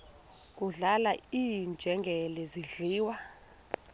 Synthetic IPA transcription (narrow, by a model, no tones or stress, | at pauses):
k̬ʼuɮalaiːnd͡ʒʱɛŋɡʱɛlɛziɮiːwa